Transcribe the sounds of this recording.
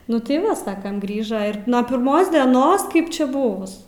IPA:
ˈnʊ tɐɪ ˈʋɐ ˈsɑːkɐm ˈɡrʲiːʒɐ ɪr nuɔ pʲɪrˈmoːs dʲɛˈnoːs kɐɪp ˈt͡ʃʲɛ ˈbʊʋʊs

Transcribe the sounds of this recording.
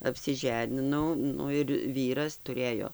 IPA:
ɐpʲsʲɪˈʒʲæːnʲɪnɐʊ ˈnʊ ɪr ˈʋʲiːrɐs tʊˈrʲeːjoː

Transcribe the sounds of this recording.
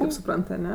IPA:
kɐɪp sʊˈprɐnt ɐˈnʲɛ

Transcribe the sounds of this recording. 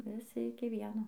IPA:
ʋʲɪˈsʲɪ ɪkʲɪ ˈʋʲiɛnoː

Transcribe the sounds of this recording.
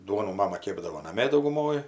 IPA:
ˈduɔnuː ˈmɑːmɐ ˈkʲeːbdɐʋoː nɐˈmʲeː dɐʊɡʊˈmoːj

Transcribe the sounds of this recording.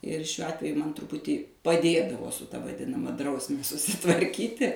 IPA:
ɪr ʃʲuɔ ˈɑːtʲʋʲɛjʊ ˈmɐn trʊˈpʊtʲiː pɐˈdʲeːdɐʋoː sʊ tɐ ʋɐˈdʲɪnɐmɐ ˈdrɐʊsʲmʲɛ sʊsʲɪtʋɐrʲˈkʲiːtʲɪ

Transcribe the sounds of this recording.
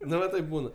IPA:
ˈnʊ ʋɐ ˈtɐɪp ˈbuːnɐ

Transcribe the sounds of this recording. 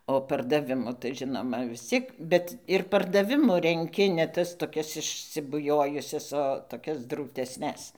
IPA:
oː pɐrdɐˈʋʲɪmʊ tɐɪ ˈʒʲɪnoːmɐ ʋʲɪs ˈt͡sʲiɛk ˈbʲɛt ɪr pɐrdɐˈʋʲɪmʊ rʲɛŋʲˈkʲɪ nʲɛ ˈtɐs toːˈkʲɛs ɪʃʲsʲɪbʊˈjoːjʊsʲɛs oː toːˈkʲɛs druːtʲɛsʲˈnʲɛs

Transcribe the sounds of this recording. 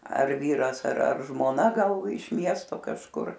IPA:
ɐr ˈʋʲiːrɐs ɐr ɐr ʒmoːˈnɐ ˈɡɐlˠ ɪʃ ˈmʲiɛstoː kɐʃˈkʊr

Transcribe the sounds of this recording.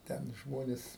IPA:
ˈtʲɛn ˈʒmoːnʲeːs

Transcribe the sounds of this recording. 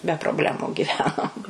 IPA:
bʲɛ proːbʲˈlʲæːmʊ ɡʲɪˈʋʲæːnoːm

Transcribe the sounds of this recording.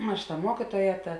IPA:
ˈɐʃ tɐ ˈmuɔkʲiːtuɔjɛ ˈtɐ

